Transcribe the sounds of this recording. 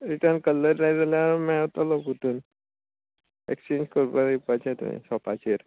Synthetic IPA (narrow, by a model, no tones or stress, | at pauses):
ɾiʈəɾnkəlːəɾɾad͡zaljamɛʋt̪alɔkut̪uːn | ekst͡ɕeɲd͡ʑkəɾpaipat͡ɕẽt̪ṵḭ̃sɔpat͡ɕeɾ